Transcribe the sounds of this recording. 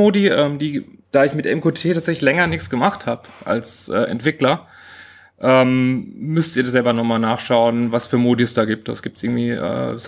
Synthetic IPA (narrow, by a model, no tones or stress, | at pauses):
oːdiʔɛːmdiːd̥aːɪçmɪtʔɛmkʰotʰeːtʰaːtt͡szɛçlɪçlɛŋɐnɪkt͡sɡ̥əmaχthaːbəʔa̰lsʔɛ̰ːʔɛ̰ntv̥ɪklɐ | ʔɛːmːʏstiːɐazɛlbɐnɔχmaːlnaːχʃaʊənvasfyːɐmoːdisd̥aːɡiːp̚td̥a̰sɡ̥iːp̚tʔɪɐɡŋ̩tv̥iːʔɛ̰ːs